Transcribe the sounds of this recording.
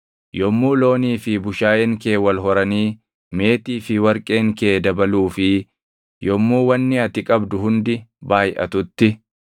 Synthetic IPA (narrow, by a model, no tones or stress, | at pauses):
jɔmːuːlo̞ːniːfɪbʊʃaːjɛŋke̞ːwɐlɦɔɾɐniː | me̞ːt̪iːfɪwɐɾkʼe̞ːŋkeːd̪ɐbɐluːfɪ | jɔmːuːwɐnːɪɐt̪ɪkʼɐbd̪ʊɦʊnd̪ɪbaːjʔɐ̰t̪ʊt̪ːɪ